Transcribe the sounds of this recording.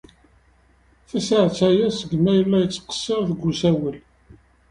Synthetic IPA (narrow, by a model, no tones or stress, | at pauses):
θæsaʕt͡sːæjæsəɡmæjəlːæjət͡sːqə̥sːeʁθɡʷːusæwəl